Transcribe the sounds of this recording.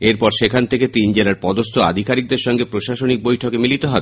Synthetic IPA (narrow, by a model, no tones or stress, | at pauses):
eɾpɔɾʃekʰant̪ʰeket̪ind͡ʑelaɾpɔd̪ost̪ʰoa̰d̪ʱikaɾik̚d̪eɾʃɔŋɡepɾoʃaʃonik̚bojʈʰokemilit̪eɦɔbe